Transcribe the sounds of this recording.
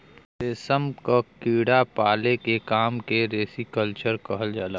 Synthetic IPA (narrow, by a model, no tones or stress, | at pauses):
seːsəmkakiːɽapaːlekekaːmkeɾeːsikəlt͡ʃəɾkɐɦəld͡ʒaːlaː